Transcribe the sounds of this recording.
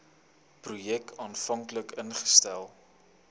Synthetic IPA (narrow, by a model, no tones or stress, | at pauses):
prujɛkʰɑːnfɐŋkləkənχə̥stælˠ